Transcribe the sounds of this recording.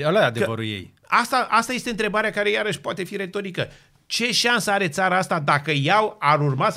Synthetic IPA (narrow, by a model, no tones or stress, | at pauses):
əlaad̪evəɾṵljḛj | ast̪aʔast̪ajest̪e̞ɨnt̪ɾe̞baɾeakaɾe̞jaɾəʃʲpoat̪e̞fiɾe̞t̪o̞ɾikə | t͡ʃe̞ʃansəaɾe̞t̪saɾaast̪ad̪akəjawaɾurma